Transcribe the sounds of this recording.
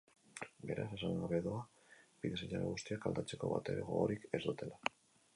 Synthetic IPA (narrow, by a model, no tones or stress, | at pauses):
be̞ɾʔa̰se̞saŋɡaβe̞ðoa | biðe̞seʎaɾeɣust̪iakald̪at͡se̞ko̞̰βa̰t̪e̞ɾeɣoɾike̞zd̪ut̪e̞la